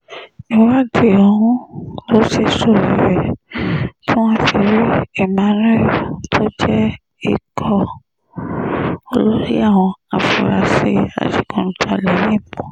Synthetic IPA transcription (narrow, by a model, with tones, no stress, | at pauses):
i˨˦wa˦de˨ɔ˧hũ˦lo˨˦ʃe˧˨so˨ɾi˨ɾɛ˨ | tʰũ˦wɔ̃˦ti˧˨ɾi˦ɛ˦˨mã˨˦ɾɛ˦˨tʰo˦d͡ʒɛ˦ | ḭ˦˨kʰɔ˧ | o˧˦lo˦ɾḭ˦a˦˨w̃ɔ̃˧a˨fu˨ɾa˧se˧a̰˨ti˨˦kɔ̃˧n̩˦tʰa˧˨lɛ˨˦nĩ˦˨mɔ̃˨